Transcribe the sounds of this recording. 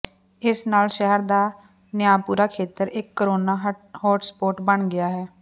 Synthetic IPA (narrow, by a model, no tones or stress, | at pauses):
ɪsnaːlʃɛɦəɾd̪aː | nɪjaːpuːɾaːkʰeːt̪əɾɪkːəɾoːnaːhɔːʈspoːʈbəɳɡɪjaːɦɛː